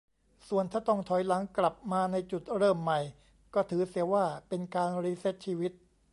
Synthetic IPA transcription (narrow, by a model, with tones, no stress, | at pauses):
su˨˩ənt̪ʰaː˥˩t̪ɔ˥˩ŋt̪ʰɔ˨˩˦jla˩˦ŋkla˨˩p̚maː˧na˧jt͡ɕu˨˩t̪̚ɾɤː˥˩mːa˨˩j | kɔː˥˩t̪ʰɯː˩˦si˨˩˦waː˥˩pe˧nkaː˧nɾi˦˥se˦˥t̪̚t͡ɕʰiː˧wi˦˥t̪̚